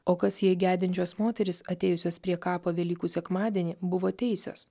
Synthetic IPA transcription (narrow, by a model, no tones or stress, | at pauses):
oːkɐsjiɛɡʲæːd̪ʲɪnʲt͡ʃʲoːsmoːt̪ʲɛɾʲɪsɐt̪ʲɛːjʊsʲoːspʲɾʲiɛkɑːpoːʋʲɛlʲiːkuːsʲɛkmɑːd̪ʲiɛnʲibʊʋoːt̪ʲɛɪsʲo̰ːs